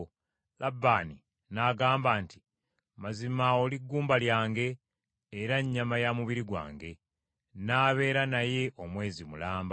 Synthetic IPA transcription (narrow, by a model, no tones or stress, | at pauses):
labːaːni | naːɡaːmbaːntʰi̥ | mazimao̞liɡːuːmbaljaːŋɡe̞ː | ɾaɲːamajamuβiɾiɡwa̰ːŋɡe̞ | naːβe̞ːɾanaje̞ʔo̞mwe̞ːzimulaːmba